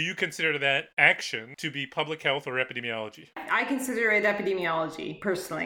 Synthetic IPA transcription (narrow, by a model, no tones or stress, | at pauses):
ɨjɨkʰɨ̃nsɪɾə˞ðɨɾækʃɨ̃ntʰɨbipʰʌblɨkhɛlˠθə˞ɛpɨdĩmiɑlˠəd͡ʒiaɪkɨ̃nsɪɾə˞ɨɾɛpɨdimiɑlˠəd͡ʒḭpʰɜ˞sn̩l̩ˠḭ